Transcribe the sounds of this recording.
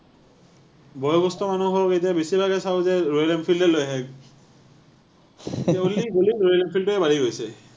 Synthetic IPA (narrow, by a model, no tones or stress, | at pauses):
bɔjɔbɔstɔmanuɦɔɹɔketiabesibʱaɡɛsawzɛɹojlɛmpʰildɛlojɦɛk | aoliɡolikɹojɛlɛmpʰiltʊɛbaliɡojsɛ